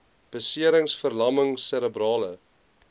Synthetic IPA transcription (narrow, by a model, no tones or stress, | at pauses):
b̥əsiəɾəŋsfərlɐməŋsəɾəbrɑːlə